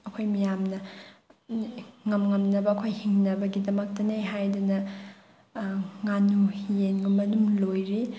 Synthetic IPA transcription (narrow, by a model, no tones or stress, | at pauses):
ɐkʰojmijamnɐ | ŋɐmŋɐmnɐbɐːkʰojhiŋnɐbɐɡidɐmɐk̚tɐnejɦajdunɐ | ŋanuhijenɡumːɐnumlojɾi